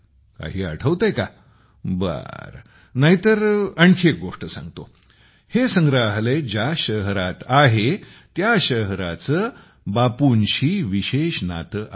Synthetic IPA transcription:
ka̰ɦiːa̰ʈʰəʋt̪əjka | bə̰ɾ | naɦit̪əɾəɳkʰiek̚ɡoʂʈəsã̰ŋɡt̪o̰ | hesəŋɡɾaɦled͡ʑaɕəɦɾat̪aɦe | t̪jaɕəɦɾat͡səː | bapunɕiːʋiɕeɕna̰t̪əʔ

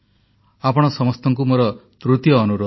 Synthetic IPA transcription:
apɔɽ̃ɔsɔmɔst̪ʰɔŋkumoɾɔt̪ɾut̪jɔːnuɾo

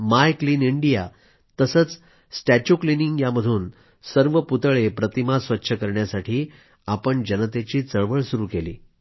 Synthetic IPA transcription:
majkliːniɳɖija | t̪əsət͡s | sʈæt͡ɕukliniŋɡjaməd̪ʱuːn | səɾʋəput̪ɭepɾət̪imasʋətːɕʰəkəɾɳjasaʈʰiː | apəɳd͡ʑənət̪et͡ɕiːt͡səɭʋəɭsuɾuːkelḭː

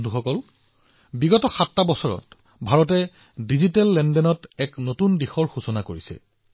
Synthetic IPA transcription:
tuxɔkɔl | biɡɔtɔxatːabɔsɔɹɔ̰t | bʱaɹɔt̬ɛ | dizitɛlːɛndɛnɔtɛknotundixɔɹxusɔnakoɹisɛ̰

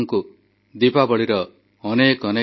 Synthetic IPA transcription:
ŋku | d̪ipabɔɭiɾɔː | nekɔne

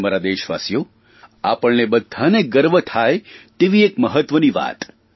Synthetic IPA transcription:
maɾad̪eʃʋa̰sjo | a̰pəɭnebəd̪ʱːaneɡəɾʋət̪ʰaet̪eʋiekməɦət̪ʋəniʋa̰t̪

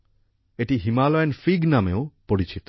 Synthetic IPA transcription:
eʈiɦimalɔenfiɡnameopoɽit͡ɕit̪o̥

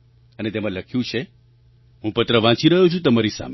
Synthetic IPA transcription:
ənet̪emãləkʰjũt͡ʃʰe | ɦũpət̪ɾəʋãt͡ʃiɾəɦũt͡ʃʰũt̪əmaɾisa̰m

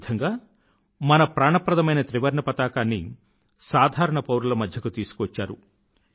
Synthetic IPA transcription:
d̪ʰɐŋɡaː | mɐnɐpɾaːɳɐpːɾɐd̪ɐmɐjnɐt̪ɾiʋɐɾɳɐpɐt̪aːkaːnːi | saːd̪ʱaːɾɐɳɐpɐwɾulɐmɐd̪ʱjɐkut̪iːsu̥kuʋɐt͡ʃːaːɾṵ

